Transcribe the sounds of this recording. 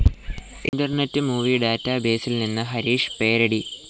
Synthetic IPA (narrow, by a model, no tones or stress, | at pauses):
ḭɳɖɐrnetːɨmuːʋiɖaːtːabe̞ːsilninːɨɦɐɾiːʂɨ̥pe̞ːɾɐɽi